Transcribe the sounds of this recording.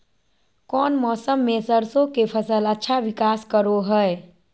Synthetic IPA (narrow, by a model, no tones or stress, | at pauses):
kɔːnmɔːsəmːesəɾsõkepʰəsələtːʃʰaʋɪkaːskəɾoɦəe